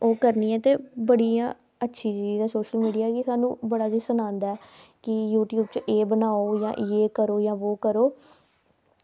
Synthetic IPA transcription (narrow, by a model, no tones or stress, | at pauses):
oːkəɾniːɛ̃ːt̪eːbəɽijãː | ətːʃʰiːt͡ʃiːiːd̪aːsoːʃəlmiːɖijaːɛːkɪsaːnṵ̃ːbəɽaːd͡ʒisənãːnd̪aːɛːkɪjuːʈjuːbt͡ʃʔeːbənaːoːjã̰ːʔeːkəɾoːjãːʋoːkəɾoː